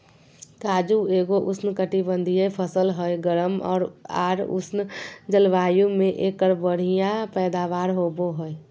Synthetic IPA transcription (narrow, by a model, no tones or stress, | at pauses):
kaːd͡ʒueːɡoʔʊsnkəʈibə̃nd̪ʱijepʰəsəlɦəjɡəɾəmɔ̰ːɾa̰ːɾʊ̰snd͡ʒəlʋaːjũmẽʔeːkːəɾbəɽ̤ijapɛːd̪aːʋaːɾɦoboɦəe